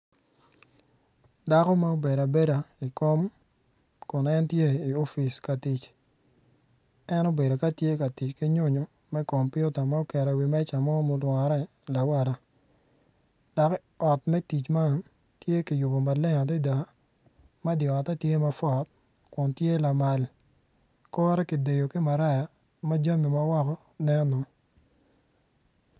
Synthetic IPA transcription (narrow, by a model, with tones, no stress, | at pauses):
da˨kɔ˦ma˦o˦be˨ɾa˨be˦da˨i˨ko˦m | kʊ˨nɛ˦ntje˦i˨o˦fi˨ska˨ti˨t͡ʃ | ɛ˦no˦be˨do˨ka˦tje˦ka˨ti˨t͡ʃki˦ɲʊ˦ɲo˨ | mɛ˦kɔ˨mpjʊ˦ta˨ma˦o˦kɛ˨ɾɛ˨wi˨mɛ˦t͡ʃa˨mɔ˦mɔ˨lwa˨˦ɾɛ˦ | la˨wa˨ɾa˨ | d̥a˨k | ɔ˨tmɛ˦ti˨t͡ʃma˦n | tje˦ki˨ju˨bo˨ma˨lɛ˦ŋa˨t̬ɛ˦da˨ | ma˦djɔ˨a˨ta˦tje˦ma˦fɔ˨t̚ | kʊ˨ntje˦la˨ma˨l | kɔː˦ɾɛ˦ki˨de˨jo˨ki˦ma˨ɾa˦ja˨ | ma˦d͡ʒa˦mi˨ma˦wa˦kɔ˦ | nɛ˦nɔ˨